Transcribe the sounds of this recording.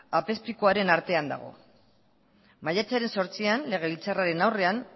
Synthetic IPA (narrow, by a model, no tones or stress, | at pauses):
ape̞spikoaɾe̞naɾt̪e̞and̪a̰ɣ̞o̞̰ | majat͡saɾe̞nso̞ɾt͡sianle̞ɣ̞e̞lit͡saraɾe̞nawre̞an